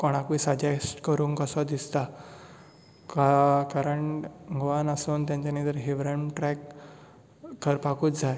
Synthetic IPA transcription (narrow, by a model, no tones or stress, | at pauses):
koɽ̃akisad͡ʑasʈkəɾuːŋkəsɔd̪ist̪a | kakaɾəɳŋɡʋanəsoːnt̪jãɲt͡ɕanid̪əɾɦeʋɾəɳʈɾɛk | əɾpakuːt͡sd͡zʱaj